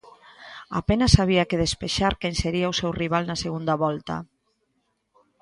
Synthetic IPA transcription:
a̰penasaβiakeð̞espeʃaɾkɛnseɾiawsɛwriβ̞alˠnaseɣund̪aβɔlt̪a̰

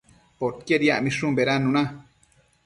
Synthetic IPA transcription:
pot̪̚kjeɾjaʔmĩʂũmbeɾanːũnã

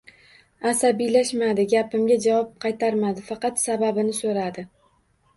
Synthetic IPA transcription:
asabijlaʃmad̪ɪɡʲapɪmɡʲad͡ʒavɒp̚qʰɑjt̪ʰaɾmad̪ɪfɑqɑt̪sababɪnɪsoɾad̪ɪ

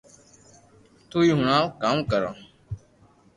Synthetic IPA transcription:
t̪uːiːɦʊɳãːkaːmkəɾã̰ː

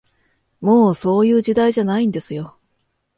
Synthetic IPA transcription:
mo̞ːso̞ːjɯ̟ːʑid̪aiʑanaĩnd̪e̞sɨjo̞

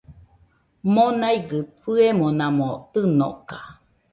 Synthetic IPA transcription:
monajɡɯfɨemonãmot̪ɨno̰ʔka

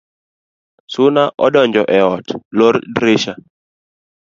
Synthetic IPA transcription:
sʊnaʔɔdɔɲd͡ʒɔʔɛɔtlordɾeʃa

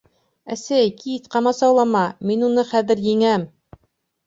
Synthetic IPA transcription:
æsæjkit̪qɑmɑsɑwlˠɑmɑminunɤχæðɘ̆ɾjiŋæm

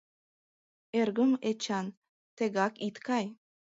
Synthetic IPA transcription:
erɣəmet͡ɕɑn | t̪eɣɑkit̪kɑj

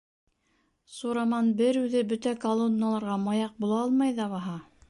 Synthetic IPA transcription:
suɾɑmɑnbɘɾʉðɘbɵt̪ækɐlˠonːəlˠɑɾʁɑmɑjɑq̚bulˠɑɑlˠmɑjðɑβɑɦɑ

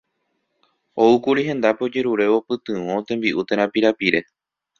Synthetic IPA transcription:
o̞ukuɾiɦẽ̞nd̪apeo̞d͡ʒe̞ɾuɾe̞opɨt̪ɨ̃ʋõt̪ẽ̞mbiʔut̪e̞ɾ̃ãpiɾapiɾe̞

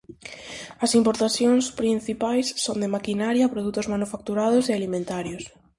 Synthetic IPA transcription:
ɐsimpoɾt̪aθjoŋspɾin̟θipajsːond̪emakinaɾjapɾoðut̪ozmanufak̚t̪uɾað̞ʊsealimẽnt̪aɾjos

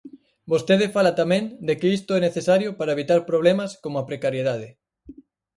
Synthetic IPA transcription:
bost̪eð̞efalat̪amẽnd̪ekeist̪oɛneθesaɾjopaɾaeβ̞it̪aɾpɾoβ̞lemɐskomapɾekaɾjeðaðe

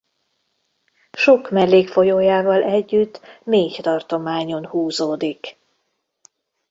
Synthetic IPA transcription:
ʃo̞kmɛlːeːkfo̞joːjaːvɒlʔɛɟːyt̪ːmeːct̪ɒrt̪o̞maːɲo̞nhuːzoːd̪ik

